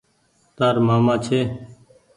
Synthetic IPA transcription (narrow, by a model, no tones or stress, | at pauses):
t̪aːɾmaːmãːt͡ʃʰeː